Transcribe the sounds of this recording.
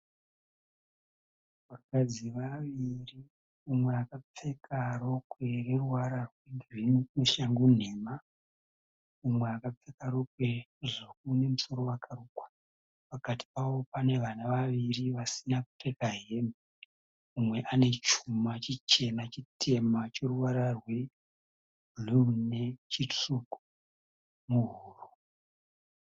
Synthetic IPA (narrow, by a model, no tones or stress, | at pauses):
ʋarukad͡ziʋaʋiri | umwe̞akap͡fe̞karo̞kwereruwaɾarwiɡwiniknuʃaŋɡun̤eːma | umweakap͡fe̞kaɾo̞kwe̞ʐok̚une̞muso̞ɾo̞wakʰaruːkwḁ | pakati̥pawo̞pane̞ʋanaʋaʋiriʋasinaku̥tekaɦeme | umwe̞ʔane̞t͡ʃumat͡ʃit͡ʃe̞nat͡ʃitʰe̞mat͡ʃoruwaɾarwe | lunet͡ʃit͡ʂt͡suku̥ | muɦuːru